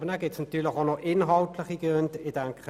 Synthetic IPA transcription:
bənæːɡɪtsnɑt̪yːɐlɪχonɔʔʔɪnɦɑltlɪχiɡ̥øntɪd̥æŋkχə

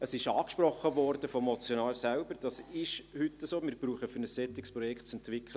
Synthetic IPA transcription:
əsɪʃɑːkʃprɔχːəvɔrd̥əfɔmɔt͡sjonɑːlsɛlbəɾd̥ɑsɪʃhʏtːəsoːmɪːɾbɾuːχəfʏɾnəsːɛt̪ɪkspɾɔjɛkʰtt͡sɛntʋɪkχlə

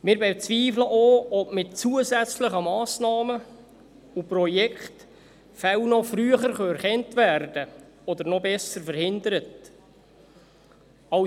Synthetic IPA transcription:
mɪɾbɛt͡sʋiːfləʔoːɔbmɪt̚t͡suəzæt͡sləχəmɑːsnɑːmə | uprɔjɛkχt | fɛwnɔfɾyːəχəɾχœɛɾχɛntvæːrd̥ə | ɔd̪əɾnɔbɛsəɾfəɾhɪnd̪əɾət | ɑ

